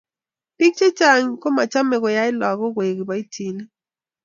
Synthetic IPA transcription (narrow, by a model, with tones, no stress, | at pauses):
pi˦k̚t͡ʃe˦t͡ʃa˦ɲko˦ma˨t͡ʃa˦mɛ˨kɔ˨ja˦ɪ˦lɔ˨ɡɔ˦ɡwe˨ɡi˨ba˨˦i˦tʰi˨ni˦